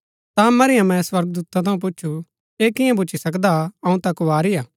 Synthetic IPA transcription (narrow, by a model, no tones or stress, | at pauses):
t̪amɐɾɪjãmɛ̃sʋɐɾɡ̚d̪uːt̪ãt̪ʰɐũp̬ʊt͡ʃːʃʰu | eːkɪjãbʊːt͡ʃʰːisɐkd̪aɐũt̪ɐkʊʋaːɾijaː